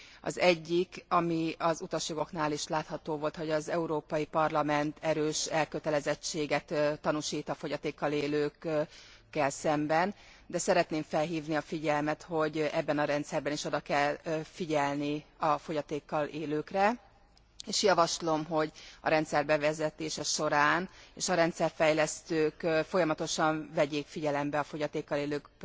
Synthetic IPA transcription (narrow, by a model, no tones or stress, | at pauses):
ɒ̰zɛɟːikɒmiɒzut̪ɒʃjoɡo̞knaːliʃlaːt̪hɒt̪oːvo̞lt̪ho̞ɟɒzɛuɾoːpɒjipɒrlɒmɛnt̪ʰɛɾøːʃɛlkøt̪ɛlɛzɛt͡ʃːeːɡɛt̪t̪ːɒnuʃiːt̪ɒfo̞ɟɒt̪eːkːɒleːløːkː | ɛlsɛmbɛn | d̪ɛsɛɾɛt̪neːɱfɛlɦiːvniɒfiɟɛlmɛt̪ho̞ɟɛbːɛnɒɾɛnt̪sɛrbɛniʃo̞d̪ɒkɛlfiɟɛlniɒfo̞ɟɒt̪eːkːɒleːløːkrɛ | eːʃjɒvɒʃlo̞mɦo̞ɟɒ̰ɾɛnt̪sɛrbɛvɛzɛt̪eːʃɛʃo̞ɾaːneːʃɒɾɛnt̪sɛrfɛjlɛst̪øːkfo̞jɒmɒt̪o̞ʃɒɱvɛɟeːkfiɟɛlɛmbɛɒfo̞ɟɒt̪eːkːɒleːløːk